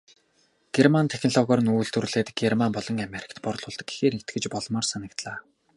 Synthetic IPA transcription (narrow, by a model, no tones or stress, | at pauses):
ɡ̥ermant̪ʰæxʲɪnɮɔɣɔːɾɞ̆nuːjɮt̪urɮeːt̪ɡermanpɔɮɞ̆ŋameɾʲĭ̥kʰt̪pɔrɮʊːɮt̪ɞ̆kɡi̥xeːrnet̪̚ɡɘ̆t͡ɕpɔɮmɔːrsanə̆kt̪ɮaː